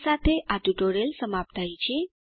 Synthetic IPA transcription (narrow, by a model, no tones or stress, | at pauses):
sat̪ʰeʔad̪uʈoɾelsəmap̚t̪ait͡ɕi